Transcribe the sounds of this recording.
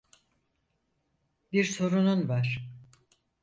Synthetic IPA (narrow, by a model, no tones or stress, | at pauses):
biɾso̞ɾununvaɾ̥